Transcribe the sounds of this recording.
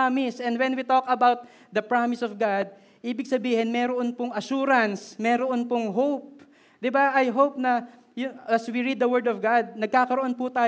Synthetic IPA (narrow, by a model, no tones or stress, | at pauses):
amɪsɛnd̪wɛnwit̪okɐbawt̪̚ | d̪ɐpɹamɪsɔvɡad̪̚ | ʔiːbɪɡ̚sɐbiːhɪnmɛːɾoʔonpʊŋɐʃuːɾɐnsmɛːɾoʔonpoŋɦowp̚ | d̪ɪbaʔɐjɦowp̚nɐ | jʊʔɐswiɹid̪̚ːɐwɛɹd̪ɔvɡad̪̚nɐɡ̚kaːkɐɾoʔonpʊt̪aː